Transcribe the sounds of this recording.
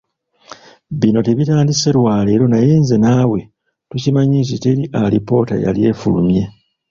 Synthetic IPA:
βino̞te̞βitaːndise̞ɾwaːle̞ːɾo̞najeːnze̞nawe̞ | tucimaɲint̬ite̞ɾiʔalipo̞ːta̰ja̰lje̞ːfulṵmje̞

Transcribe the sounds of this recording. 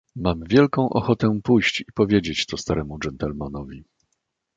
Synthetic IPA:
mamvʲjɛlkɔ̃w̃ʔɔxɔt̪ɛpujɕt͡ɕipɔvʲjed͡ʑet͡ɕt̪ɔst̪aɾʔɛmud͡ʐɛnt̪ɛlmanɔvʲi

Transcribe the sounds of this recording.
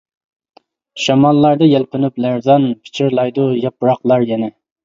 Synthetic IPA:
ʃɑmɑlˠːɑɾd̪ɨjɛlˠqənyplæɾzɑnpʰɪ̥t͡ʃʰiɾlˠɑjd̪ujɑpɾɑqlˠɑɾjɛnɛ

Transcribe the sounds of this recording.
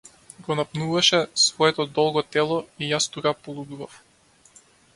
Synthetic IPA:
ɡɔnapnuvaʃɛsvɔɛt̪ɔd̪ɔlˠɡɔt̪ɛlˠɔijast̪ukapɔlˠub̪uvaf

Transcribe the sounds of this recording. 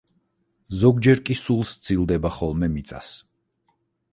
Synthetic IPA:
zɔɡd͡ʒɛɾkʼisulˠst̪sʰilˠd̪ɛbaχɔlˠmɛmit̪sʼa̰s

